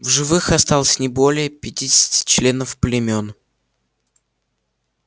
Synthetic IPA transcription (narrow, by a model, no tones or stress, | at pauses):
vʐɨvɨxɐst̪alˠəsʲnʲɪbo̞lʲɪjəpʲɪtʲidʲɪsʲɪ̥tʲɪ̥t͡ɕlʲe̞nəfplʲɪmʲo̞n